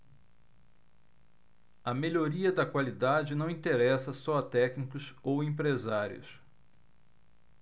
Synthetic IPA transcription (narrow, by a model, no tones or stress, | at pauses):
ɐmeʎoɾiɐd̪ɐkwalid̪ad͡ʒɪnɐ̃w̃ĩt̪eɾɛsɐsɔɐt̪ɛknikʊsowẽpɾezaɾḭʊ̰s